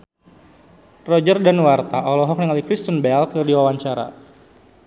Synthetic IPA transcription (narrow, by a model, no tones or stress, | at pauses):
rɔd͡ʒərdanwart̪aʔɔlɔɦɔknəŋalikɾist̪ənbɛlkɨrdiwawaɲt͡ʃaɾa̰